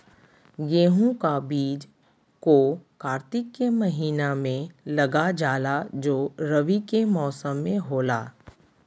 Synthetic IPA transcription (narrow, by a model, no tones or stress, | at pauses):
ɡeːɦũkabiːd͡ʒ | kokaːɾt̪ɪkːemɐɦiːnamẽlɐɡad͡ʒaːlad͡ʒoːɾəʋikemɔːsəmːẽɦoːlaː